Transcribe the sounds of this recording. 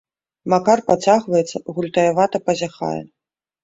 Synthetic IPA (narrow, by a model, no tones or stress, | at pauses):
makarpat͡sʲaɣvɐjɛt̪sːɐɣulʲt̪ɐjavat̪ɐpɐzʲaxa̰jɛ̰